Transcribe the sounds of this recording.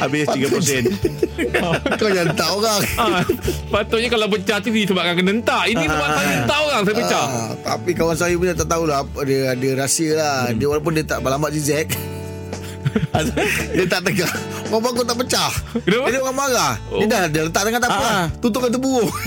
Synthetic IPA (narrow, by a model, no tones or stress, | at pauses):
abɪpat̪iɡapsɛn | kaɲaənt̪aʔoɾaŋ | pat̪uɲakalawpət͡ʃaht̪udisəbaʔkakənənt̪aʔinibaanənt̪aʔoɣaŋsapət͡ʃat̪a̰pikawansajipuɲat̪aʔt̪auladiədiəɾasiəladioɾawp̬ʊndiət̪aʔbəlambaʔsizɛk̚ | addiət̪aʔt̪əɡa | oɣapaŋk̬ut̪aʔpət͡ʃahaadioɣaŋmaɡahidadiələnt̪aʔt̪əŋat̪aat̪unt̪ʊʔkant̪ubuo